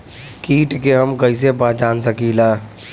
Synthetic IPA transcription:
kiːʈkeɦəmkəis̬ebaːd͡ʒaːnsəkilaː

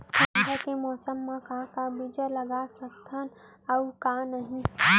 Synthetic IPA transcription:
ɦɛkemɔːsəmːãkãkabid͡ʒələɡasək̚t̪ʰən | əukanəɦĩ

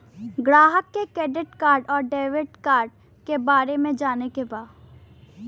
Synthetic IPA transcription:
ɡɾaːɦəkːekɾɛːɖɪʈkaːɾɖɔːɾɖeːʋɪʈkaːɾɖ | kebaːɾemẽd͡ʒaːnekebaːd

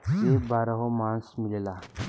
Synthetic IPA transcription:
sebaɾəɦomãnsmilla

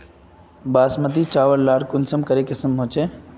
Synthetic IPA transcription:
baːsmət̪it͡ʃaːʋəɾlaːɽkʊnsəmkəɾekɪsəmɦõːt͡ʃʰe

